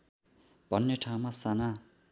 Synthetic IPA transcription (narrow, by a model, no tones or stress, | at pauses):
b̥ʱʌnːeʈʰaw̃masana